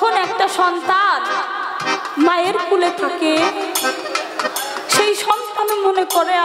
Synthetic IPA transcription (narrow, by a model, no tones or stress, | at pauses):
onɛk̚ʈaʃɔnt̪an | maeɾkʰulet̪ʰake | ʃejʃɔnt̪anomonekoɾea